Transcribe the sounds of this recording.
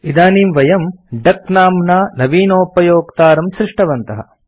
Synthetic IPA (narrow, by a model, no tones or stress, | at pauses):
id̪aːniːmʋɐjɐmɖɐknaːmnaːnɐʋiːnoːpɐjoːkt̪aːɾɐmsɾiʂʈɐʋɐnt̪ɐɦɐ̰